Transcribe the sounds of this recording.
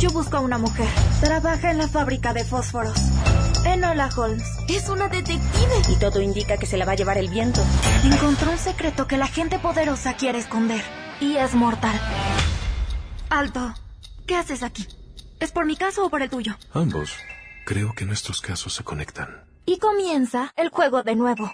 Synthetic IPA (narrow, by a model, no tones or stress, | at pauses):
ɟ͡ʝo̞βuskoaunamuxe̞ɾt̪ɾaβaxaenlafaβɾikaðe̞fo̞sfo̞ɾo̞senolaxolms | esunaðet̪e̞k̚t̪iβeit̪o̞ðo̞ind̪ikake̞se̞laβaʝe̞βaɾe̞lβje̞nt̪o̞eŋko̞nt̪ɾoelse̞kɾe̞t̪o̞ke̞laxe̞nt̪e̞po̞ðe̞ɾo̞sakje̞ɾe̞ːsko̞nd̪e̞ɾiezmo̞ɾt̪aɾ | alt̪oke̞ase̞sakie̞spo̞ɾmikaso̞ːpo̞ɾe̞lt̪uʝo̞ambo̞̰skɾe̞okenest̪ɾoskasosːe̞kone̞̰kt̪ʰan | iko̞mje̞nsaelxwe̞ɣ̞o̞ðe̞nwe̞βo̞